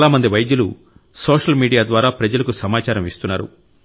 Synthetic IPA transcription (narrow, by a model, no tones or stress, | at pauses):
laːmɐnd̪iʋɐjd̪julu | soːʂɐlmiːɽijaːd̪ʋaːɾaːpɾɐd͡ʒɐlɐkusɐmaːt͡ʃaːɾɐmist̪unːaːɾṵ